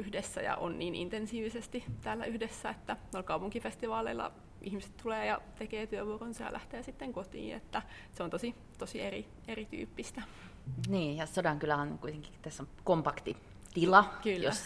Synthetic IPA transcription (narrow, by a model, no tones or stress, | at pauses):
yhdesːæ̰jɑ̰ʔo̰nnḭːnḭnt̪ensiːʋisest̪it̪æːlːæyhdesːæet̪ːæneolkɑupuŋkifest̪iʋɑːlḛilːɑ̰ | ʔihmise̥t̪t̪uleːjɑt̪ekeːt̪yøʋuoronsɑjɑ̰læht̪eːsit̪ːeŋkot̪ḭːḛt̪ːæseont̪osi | t̪osieri | erit̪y̰ːpːist̪æ | niːjɑsodɑŋkylæonkuit̪eŋki̥t̪æsːokompɑkt̪i | t̪ilɑkylːjo̰æs